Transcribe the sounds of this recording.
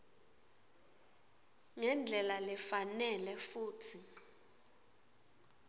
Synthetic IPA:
ŋɛnd͡ɮʱɛlalɛfanɛlɛfuːtʰi

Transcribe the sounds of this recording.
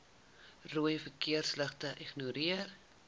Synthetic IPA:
ruəjfəkiərsləχtəʔiχnuɾiər

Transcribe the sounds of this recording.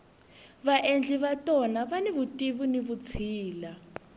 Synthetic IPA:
βaʔend͡ɮʱiβatʼɔnaβaniβutʼiβuniβut͡sʰiːla

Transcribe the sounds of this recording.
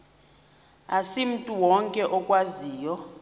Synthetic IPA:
asim̩tʼuwɔŋkʼɛʔɔkʼwaziːjɔ

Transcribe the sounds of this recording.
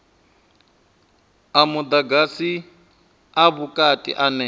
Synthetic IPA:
amud̪aɡasi | aβukʼatʼḭʔanɛ

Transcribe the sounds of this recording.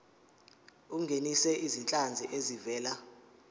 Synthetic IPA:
uŋɡʱenisɛʔizint͡ɬʼand͡zʱiʔezivɛːla

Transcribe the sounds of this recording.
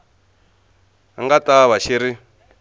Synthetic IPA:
a̰ŋɡataβaʃiɾi

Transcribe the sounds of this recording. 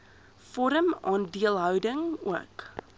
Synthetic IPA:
fɔɾəmɑːndiəlˠɦœwdəŋṵək

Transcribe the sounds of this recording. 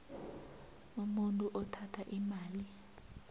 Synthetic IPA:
umuntʼuʔɔtʰatʰaʔimaːli

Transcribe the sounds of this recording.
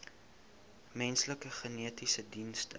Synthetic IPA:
mɛnsləkəχəniətisədinst

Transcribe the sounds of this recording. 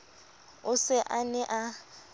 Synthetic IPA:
ʊsɪʔanɛʔa

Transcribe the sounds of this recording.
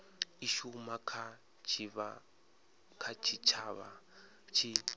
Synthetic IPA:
iʃumakʰa | t͡ʃʰiβa | kʰat͡ʃʰit͡ʃʰaːβa̰ | t͡ʃʰi

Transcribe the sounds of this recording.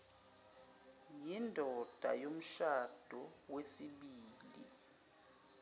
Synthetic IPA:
jindʱɔd̥ʱa̰jom̩ʃad̥ʱɔwesiɓiːlḭ

